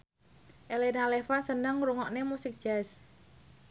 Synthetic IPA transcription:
ʔelenalefansənəŋɾuŋɔʔnemusɪk̚d̥ʒ̥as

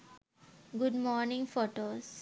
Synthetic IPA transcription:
ɡʊɖmɔːɾnɪ̃ŋfoːʈoːs

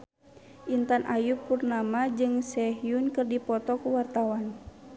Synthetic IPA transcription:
ʔint̪anʔajupːurnamad͡ʒɨŋsɛɦijunkɨrdipɔt̪ɔkuwart̪awan

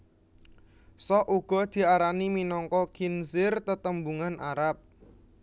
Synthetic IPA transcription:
sɔʔuɡ̥ɔ̤d̪̥i̤aɾaniminɔŋkɔkinsɪrt̪ət̪əmbuŋanʔaɾap̚

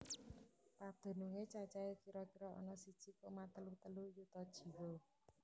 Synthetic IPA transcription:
pad̪̥o̤nuŋet͡ʃat͡ʃaekiɾɔkiɾɔʔɔ̰nɔsid̥ʒ̥i̤komat̪əlut̪əlujut̪ɔd̥ʒ̥i̤wo

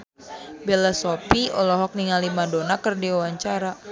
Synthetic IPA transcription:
belasopiɔlɔɦɔk̚niŋalimadonakərdiuwaɲt͡ʃaɾa

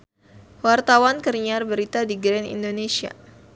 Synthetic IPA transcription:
wart̪awankərɲarbəɾit̪adiɡɾɛnḭndonesia̰

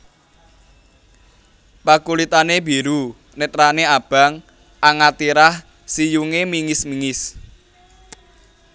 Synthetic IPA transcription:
pakulit̪anebiɾu | net̪ɾaneab̥a̤ŋ | ʔaŋat̪iɾah | sijuŋemiŋɪsmiŋɪs

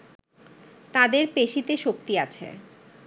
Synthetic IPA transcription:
t̪ad̪eɾpeʃit̪eʃok̚t̪iat͡ɕʰḛ

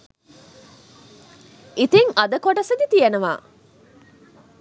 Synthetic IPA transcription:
it̪eŋʔɐd̪ɐkoɖɐsɐd̪it̪ijɐnɐʋa̰ː

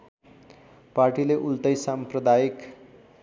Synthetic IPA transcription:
parʈileʔult̪ʌjsamprʌd̪ajik

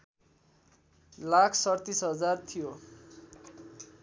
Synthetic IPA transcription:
lakʰsʌrt̪isɦʌd͡zart̪ʰijo

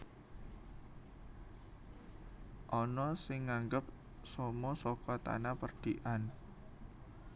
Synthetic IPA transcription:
ʔɔnɔsɪŋːaŋɡəp̚ | sɔmɔsɔkɔt̪a̰napərd̥iʔan

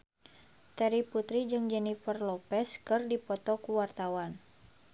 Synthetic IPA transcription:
t̪ɛɾiput̪ɾid͡ʒɨŋd͡ʒɛnifərlɔpɛskɨrdipɔt̪ɔkuwart̪awan

